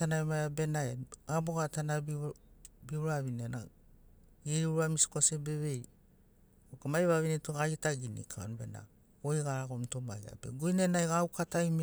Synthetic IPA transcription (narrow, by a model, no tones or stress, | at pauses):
tanaemajabe̞naeaboɡatanaibiuɾaβinena | iɾiuɾamisi̥kosebe̞βej | okamajβaβinetoɡajitaɡinḭkʰao̰nbe̞na̰ | ojɡaɾaɡomto̞maja̰be̞̰ɡojnenajɡawkatajm